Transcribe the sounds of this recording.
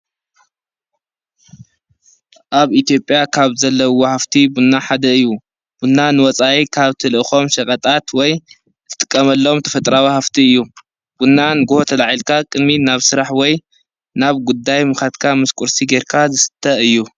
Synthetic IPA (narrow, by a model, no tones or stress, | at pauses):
ʔaβit̪ʰijo̞pʼjakʰaβzɐlːɐwɔhaft̪ʰibunːaħad̪ɐɨjːu | b̥unːanɨwɔt͡sʼajikʰaβt̪ʰɨlɨʔɨxo̞mʃɐkʼɐt̪ʼat̪wɔj | t̪ʰɨ̥t̪ʼɨ̥kʼːɐmɐlːoomt̪ʰɐfɐt̪ʼɾawihaft̪ʰiɨjːu | b̥unːanɨɡuhot̪ʰɐlaʕilkʰakʼɨd̪minaβsɨɾaħwɔj | naβɡud̪ːajmɨxat̪kʰamɨskʼuɾsiɡeɾkʰazɨsɨ̥t̪ʰːɐɨjːu